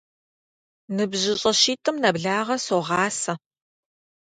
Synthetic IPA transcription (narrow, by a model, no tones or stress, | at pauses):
nɨbʑɪɕʼɐʃiːtʰʼɨmnɐbɮaːʁɐsoʁɑːsɐ